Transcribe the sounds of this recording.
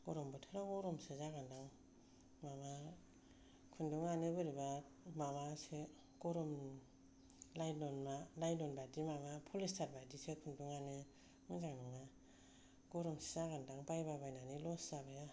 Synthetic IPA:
ɡɔɾɔmbɯtʰɯɾaɡɔɾɔmsezaɡandaŋ | mama | kʰunduŋanebɯɾiba | mamase | kɔɾɔm | lajdɔnmalajdɔnbadimamapʰulistʰaɾbadisekʰunduŋane | mɯzaŋnuŋa | ɡɔɾɔmse̥zaɡandaŋpajbabajnanilɔszabaja

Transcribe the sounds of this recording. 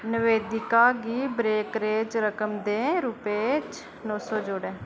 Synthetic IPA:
nəʋeːd̪ɪkaːɡiːbɾeːkɾeːd͡ʒɾəkəmd̪eːɾʊpeːt͡ʃ | nɔːsɔːd͡ʒoːɽẽː

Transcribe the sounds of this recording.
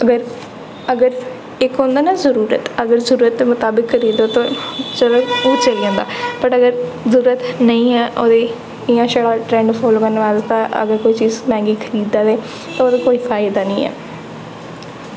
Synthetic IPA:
əɡəɾ | əɡəɾ | ɪkõːnd̪aːnazəɾuːɾə̰t̪əɡəɾzəɾuːɾət̪̚d̪eːmʊt̪aːbɪkːəɾiːd̪oːt̪ãt͡ʃəlõoːt͡ʃəlijãːnd̪a̰ːpəʈəɡəɾzəɾuːɾət̪nəĩːɛːʔoːd̪eː | ɪjãːʃaɽaːʈɾɛ̃ːɳɖfʰoːlokənʋaːzt̪ãːʔə̰ɡəɾkoːiːt͡ʃiːzmɛ̃ːŋɡiːkʰəɾiːd̪aːd̪eː | t̪ãːoːd̪eːkoːiːfʰaːɪd̪aːnəĩːɛ̰ː

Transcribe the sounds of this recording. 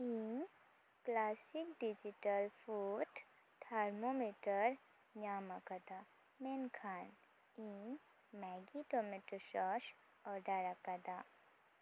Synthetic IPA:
in | klaːsɪk̚ɖid͡ʒiʈəlfuːʈ | t̪ʰaɾmomiʈəɾ | ɲaːmakad̪a | meːnkʰaːn | in | mɛɡiʈomiʈəɾʃɔːʃ | ɔːɾɖaɾakad̪aː

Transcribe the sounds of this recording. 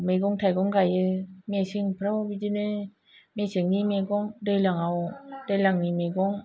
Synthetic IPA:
meɡoŋtʰajɡɔŋɡajɯmesɯŋpʰɯɾawbidɯnɯ | mesɯŋnimeɡɔŋdɯjlaŋawdelaŋnimeɡoŋ

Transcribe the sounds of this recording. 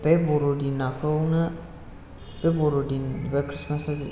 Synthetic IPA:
bebɔɾodinakʰəwnɯ | bebɔɾodinbakɾismasa

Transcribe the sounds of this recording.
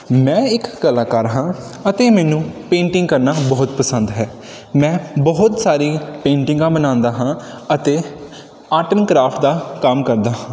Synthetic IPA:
mɛ̃ːɪkːəlaːkaːɾɦãː | ət̪eːmɛːnũːpẽːɳʈɪ̃ŋɡkəɾnaːbɔːʊt̪pəsə̃nd̪ɦɛː | mɛ̃ːbɔːʊt̪saːɾiːpẽːɳʈɪ̃ŋɡãːbənãːnd̪aːɦãːət̪eː | aːʈənkɾaːpʰʈd̪aːkəmkəɾd̪aːɦãː

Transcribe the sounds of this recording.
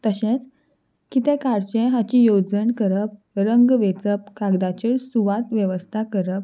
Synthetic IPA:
t̪əɕẽt͡s | kit̪ɛ̃kaɾt͡ɕẽɦat͡ɕijod͡zəɳkəɾəp̚ | ɾəŋɡʋet͡səp̚kaɡd̪at͡ɕiɾsuʋat̪ʋjəʋəst̪ʰakəɾəp̚

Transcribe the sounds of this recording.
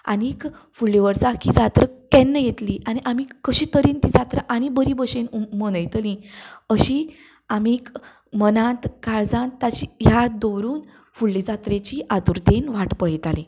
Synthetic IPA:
a̰nik | fuɭːiʋəɾt͡sakid͡zat̪ɾəkɛnːəjet̪liʔaniʔamikəɕiːt̪əɾiːnt̪id͡zat̪ɾaʔañibəɾibəɕenumənəjt̪əlĩəɕi | amik | mənãt̪kaɾd͡zãnt̪ːat͡ɕijad̪owɾuːn | fuɭːid͡zat̪ɾet͡ɕiʔad̪uɾd̪enʋaʈpəɭit̪alĩ

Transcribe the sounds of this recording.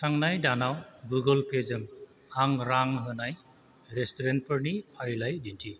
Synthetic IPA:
saŋnajdanawɡuɡəlpʰezɯm | aŋɾaŋɦɯnaj | ɾestoɾent̚pʰɯɾnipʰaɾilajdintʰi

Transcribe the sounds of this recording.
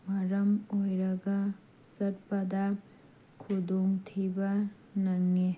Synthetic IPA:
mɐɾɐmojɾɐɡa | sɐɾpɐd̪a | kʰud̪oŋt̪ʰibɐ | nɐŋːe

